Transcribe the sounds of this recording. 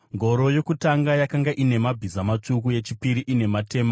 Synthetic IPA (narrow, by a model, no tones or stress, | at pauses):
ŋɡʱo̞ɾo̞jo̞kutaŋɡajakaŋɡaʔine̞mabʱizamat͡ʂukuje̞t͡ʃipiɾiʔine̞mate̞ːma